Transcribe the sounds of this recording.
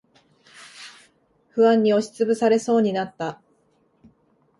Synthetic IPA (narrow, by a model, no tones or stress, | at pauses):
ɸɯ̟βãɲ̟ːio̞ɕi̥t͡sɨbɯ̟saɾe̞so̞ːɲ̟inat̪ːa